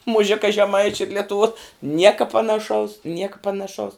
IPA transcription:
mʊˈʒʲɪkɐ ʒʲɛˈmɐɪt͡ʃʲʊ ɪr lʲɛtʊˈʋuɔ ˈnʲiɛkɐ pɐnɐˈʃɐʊs ˈnʲiɛkɐ pɐnɐˈʃɐʊs

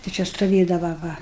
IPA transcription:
tɐɪ ˈt͡ʃʲɛ stʊˈʋʲeːdɐʋɐ ˈʋɐ

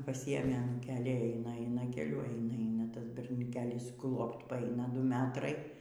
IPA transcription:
pɐˈsʲɪeːmʲeː ɐnuːˈkʲeːlʲiː ˈɛɪnɐ ˈɛɪnɐ kʲɛˈlʲʊ ˈɛɪnɐ ˈɛɪnɐ ˈtɐs bʲɛrʲnʲʊˈkʲeːlʲɪs ˈklˠoːpt pɐˈɐɪnɐ ˈdʊ ˈmʲæːtrɐɪ

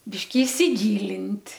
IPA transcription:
ˈbʲɪʃʲkʲɪ ɪsʲɪˈɡʲiːlʲɪnʲtʲ

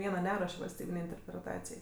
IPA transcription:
ˈʋʲiɛnɐ ˈnʲæːruɔʃʲ ʋɐlʲsʲˈtʲiːbʲɪnʲɛɪ ɪnʲtʲɛrʲpʲrʲɛˈtɑːt͡sʲɪjɛɪ

